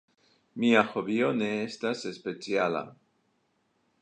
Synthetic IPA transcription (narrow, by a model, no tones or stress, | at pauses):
miaxoβjoneest̪asespet͡sjala̰